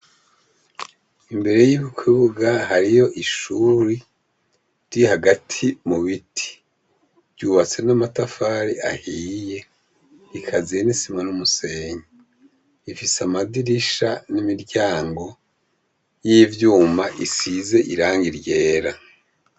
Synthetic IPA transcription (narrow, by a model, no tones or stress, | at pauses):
imbe̞ɾe̞jiβikwiβuɡahaɾijo̞ʔiʃuːɾi | ɾihaɡatʰimuβitʰi̥ | vɟuːβat͡se̞namatafaːɾia̰hiːje̞ | ikʰazijenisimanumuse̞ɲi | ifisamadiɾiʃanimiɾɟaːŋɡo̞ | jiːvjuːmaʔisize̞ʔiɾaːŋɡiɾje̞ːɾa